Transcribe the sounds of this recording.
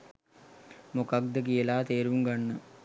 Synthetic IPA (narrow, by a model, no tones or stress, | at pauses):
mokak̚d̪ək̬ijəlaːt̪eːɾuŋɡanːə